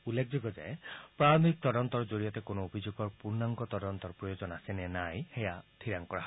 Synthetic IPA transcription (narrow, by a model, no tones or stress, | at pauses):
ulːekʰd͡ʒiɡɔd͡ʒa̰epɾaɾmʱikt̪ɔɾɔnt̪ɔɾɔd͡ʒoɾijɔt̪ekonoobʱid͡ʒoɡɔɾpuɾnaŋɡɔt̪ɔdɔnt̪ɔɾpɾɔjod͡ʒɔnasenenajhejat̪ʰiɾaŋkɔɾaɦ